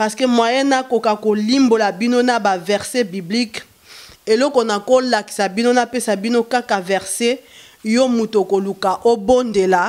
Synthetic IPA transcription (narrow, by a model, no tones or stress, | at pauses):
paʁskemwajɛnakokakolimbolabinonabavɛʁsebiblik | elɔkonakolaki̥sabinonapesabinokakavɛʁse | jomutokolukaʔobondela